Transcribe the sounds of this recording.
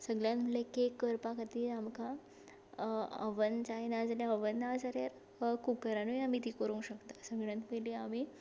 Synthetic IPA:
səɡɭjãnt̪məlekekːəɾpakat̪iːamka | ə̰ʋənt͡ɕajnad͡zaljaəʋənːad͡zaɾjaɾ | kukəɾanuamit̪ikəɾũŋkɕəkt̪asəɡɭjant̪məliamiː

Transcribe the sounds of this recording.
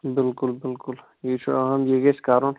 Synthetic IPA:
bɪlkʊlbɪlkʊl | it͡ʃʰɦɐmjeːɡeskaːɾõːn

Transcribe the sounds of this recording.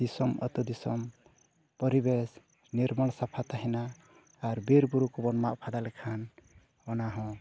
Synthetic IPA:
d̪̥isɔmʌ̰t̪ud̪isɔm | pɔɾibes | niɾmaɽ̃sapʰat̪aɦinaː | ɾbeɾbuɾukɔbɔnmaʔpʰad̪alɛkʰan | ɔnaɦɔ̃

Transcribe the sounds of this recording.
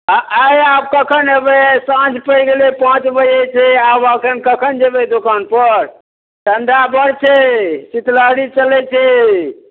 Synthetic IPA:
əjab̚kəkʰənebɛsãt͡ʃpəjɡelɛpãt͡ʃbəjet͡ʃʰɛabəkʰənkəkʰənd͡ʒebɛd̪okanpəɾ | ɖənd̪ʱabəɽt͡ʃʰɛsit̪laɽit͡ʃəlɛt͡ʃʰɛ

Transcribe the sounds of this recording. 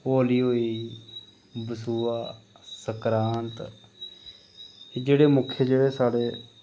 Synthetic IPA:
oːliːɦoːiː | bəsuːaː | səkɾaːnt̪ | ed͡ʒeːɽeːmʊkʰːeːd͡ʒeːɽeːsaːɽeː

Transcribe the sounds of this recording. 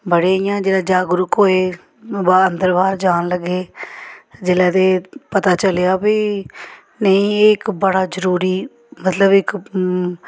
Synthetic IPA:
bəɽeːijãːd͡ʒeːlaːd͡ʒaːɡʊɾʊkɦoːeː | bənd̪əɾbaːɾd͡ʒaːnləɡːeː | d͡ʒɪːlaːd̪eːpət̪aːt͡ʃəleaːbiː | nəĩːɪkbəɽaːzəɾuːɾiː | mət̪ləbɪk

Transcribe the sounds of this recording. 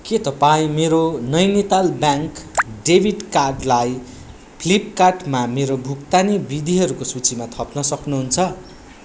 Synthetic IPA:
ket̪ʌpaĩmeɾonʌjnit̪albjaŋkɖebʱiɖkad̪laj | pʰlipkaʈmameɾobʱukt̪anibid̪ʱiɦʌɾukosut͡simat̪ʰʌpnʌsʌknuɦunt͡sʰʌ

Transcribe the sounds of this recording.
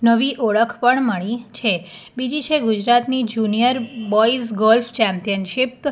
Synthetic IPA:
nəʋiʔoɭəkʰpəɳməɳ̃it͡ʃʰebid͡ʒit͡ʃʰeɡud͡ʒɾat̪nid͡ʒunijəɾbɔisɡɔlft͡ʃɛmpijənʃip

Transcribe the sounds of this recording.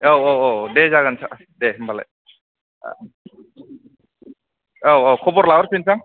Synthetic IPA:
owowodezaɡansʰa | dembala̰j̰ | owokʰɔbɔɾlawɾsinsaŋ

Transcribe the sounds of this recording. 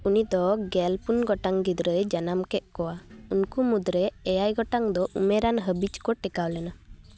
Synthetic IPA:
unid̪ɔɡɛlpunɡɔʈaŋɡid̪ɾəjd͡ʒanamkɛʔ̚kɔwaunkumud̪ɾɛɛjajɡɔʈaŋd̪ɔʔṵmɛɾanɦəbid͡ʒkɔʈɛkawlɛna

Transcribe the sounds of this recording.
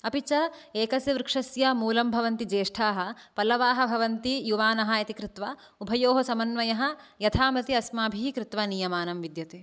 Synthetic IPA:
ɐpit͡ʃɐeːkɐsjɐʋɾɪkʂɐsjɐmuːlɐmbʱɐʋɐnt̪id͡ʒeːʂʈʰaːɦɐ̆pɐlɐʋaːɦɐ̆bʱɐʋɐnt̪ijuʋaːnɐɦɐjɐt̪ikɾɪt̪ʋɐ | ubʱɐjoːɦɐsɐmɐnʋɐjɐɦɐ̆jɐt̪ʰaːmɐt̪iɐsmaːbʱikɾɪt̪ʋɐnijɐmaːnɐmʋid̪jɐt̪eː

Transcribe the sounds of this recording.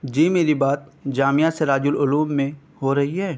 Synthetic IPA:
d͡ʒeːmeːɾibaːt̪̚d͡ʒaːmijaseɾaːd͡ʒʊlʊluːmːẽ | hoɾɐɦiɦɛː

